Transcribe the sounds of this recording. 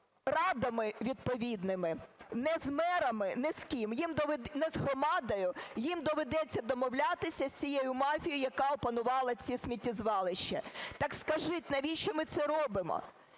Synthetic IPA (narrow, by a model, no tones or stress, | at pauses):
rɑd̪ɐmɪʋʲid̪pɔʋʲid̪nɪmɪnɛzmɛɾɐmɪnɛskʲimjimd̪ɔʋɛnɛzɦrɔmɑd̪ɐjʊjimd̪ɔʋed̪ɛt͡sʲːɐd̪ɔmɔwlʲat̪ɪsʲɐsʲt͡sʲijejʊmɑfʲijɐkɑɔpɐnʊʋɑlˠɐt͡sʲisʲmʲitʲːizʋɑlˠɪʃt͡ʃːɐ̰t̪ɑkskɐʒɪtʲnɐʋʲiʃt͡ʃɔmɪt̪sɛɾɔbɪmɔ̰